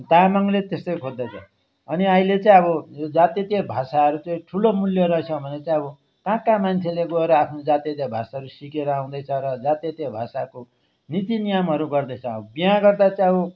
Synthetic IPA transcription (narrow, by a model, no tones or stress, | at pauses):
t̪amaŋlet̪est̪ʌjkʰod̪ːʌt͡sʰʌ̰ | ʌniaĩlet͡sãĩʌbʌjod͡zat̪jet̪jebʱasaʌɾut͡sãĩʈʰulomuljʌɾʌt͡sʰʌbʱʌnet͡saĩʌbʌ | kãkamant͡sʰeleɡʌeɾʌapʰnod͡zat̪jet̪jabʱasaɦʌɾusikeɾʌaw̃d̪ʌjt͡sʰʌɾʌd͡zat̪jet̪jabʱasako | nit̪inijamɦʌɾuɡʌrd̪ʌjt͡sʰʌbʌbijãɡʌrd̪at͡saĩʌbʌ